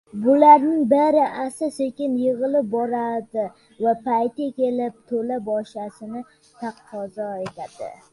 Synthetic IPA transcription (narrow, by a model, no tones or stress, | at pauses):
bʊlaɾnɪŋbeɾɪʔasɪsekʲɪnjɪʁɨlɪp̚bɒɾad̪ɪ | vapajt̪akʲe̞lɪp̚t̪ʰolabɒʃasɪnɪ | t̪ʰaqʰːɒzɒe̞t̪ʰad̪̥ɪ̰